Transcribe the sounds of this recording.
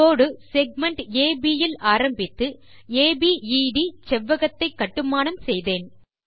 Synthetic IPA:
oːɽɯsɛɡ̚mɐɳʈeːbijɪlaːɾɐmbɪt̪ːɯ | eːbiiːɖit͡ʃɛʋːɐɣɐt̪ːɐɪkːɐʈːɯmaːnɐmsɛjðeːn

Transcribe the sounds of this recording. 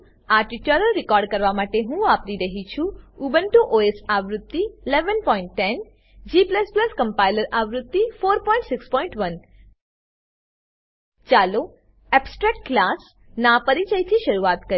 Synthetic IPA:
aʈiʈəɾəlɾɪkɔɾɖ̚kəɾʋamaʈeɦũapɾiɾəɦit͡ʃʰũubənʈuʔoesaʋɾʊt̪ːiːleʋənpɔĩɳʈːɛn | d͡ʒipləspləskəmpajiləɾaʋɾʊt̪ːifoɾpɔiɳʈsɪkspɔĩɳʈʋən | t͡ʃalo | ɛpsʈɾɛk̚ʈklas | napəɾit͡ʃəit̪ʰiʃəɾuat̪kə

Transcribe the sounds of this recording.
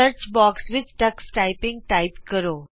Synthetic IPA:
əɾt͡ʃbɔːksʋɪt͡ʃʈəksʈaɪpɪ̃ŋɡ̚ʈaɪpkəɾoː

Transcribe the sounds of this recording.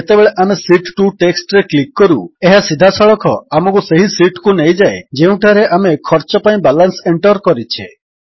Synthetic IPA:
et̪ebeɭeʔamesiʈʈuʈeksʈɾeklikːɔɾueɦasid̪ʱasʰɔɭɔkʰɔamɔk̬useɦisiʈkunejd͡ʒaed͡ʒeũʈʰaɾeʔamekʰɔɾt͡ʃɔpaĩbalanseɳʈɔɾkɔɾit͡ʃʰḛ

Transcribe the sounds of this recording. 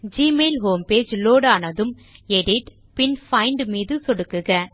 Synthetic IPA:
d͡ʒiːmeːlɦoːmpeːd͡ʒloːɽaːnɐðɯm | ɛɽɪʈ | pɪnfɐɪɳɖmiːðɯsɔɽɯkːɯɣɐ

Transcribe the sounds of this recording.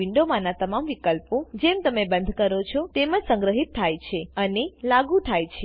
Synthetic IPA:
ɪɳɖomãnat̪əmamʋikəlpod͡ʒemt̪əmebənd̪ʱkəɾot͡ʃʰot̪emə̃d͡ʒsə̃ŋɡɾəɦit̪ʰːajt͡ʃʰeənelaɡũt̪ʰajt͡ʃʰe

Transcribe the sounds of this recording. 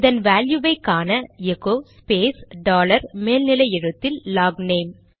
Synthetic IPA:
ɪðɐnʋaːljuʋɐɪkːaːnɐɛɣoːspeːsɖaːlɐɾmeːlnɪlɐɪɛɻɯt̪ːɪlːaːɡneːm

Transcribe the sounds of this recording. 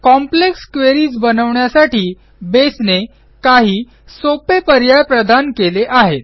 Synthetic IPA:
kɔmplekskʋeɾiːt͡sbənəʋɳjasaʈiː | besne | kaɦiː | sopepəɾjajpɾəd̪ʱankeleʔaɦet̪̚

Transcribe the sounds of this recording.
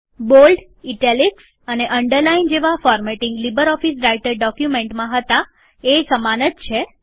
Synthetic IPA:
bolɖ | iʈeliks | əneʔəɳɖəɾlaind͡ʒeʋafɔɾmeʈɪ̃ŋɡlibəɾɔfisɾaiʈəɾɖɔkjumẽɳʈmãɦət̪a | esəmanət̪̚t͡ʃʰe

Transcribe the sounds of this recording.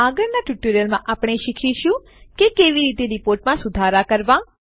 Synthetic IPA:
aɡəɾnaʈjuʈoɾijəlmãʔaːpɽ̃eʃikʰiʃũ | kekeʋiɾiːt̪eɾipoːɾʈmãsʊd̪ʱaɾakəɾʋã

